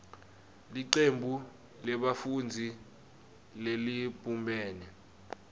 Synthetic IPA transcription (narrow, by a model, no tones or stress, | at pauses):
liǀembʱu | lɛɓafund͡zʱi | lelipʼumbʱɛːnɛ